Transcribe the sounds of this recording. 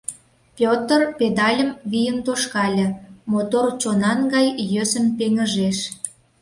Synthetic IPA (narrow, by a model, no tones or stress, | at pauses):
pʲjot̪ərped̪ɑlʲə̆mβijənt̪oʃkɑlʲə̆mot̪ort͡ɕonɑnɡɑjjøsəmpeŋə̆ʒeʃ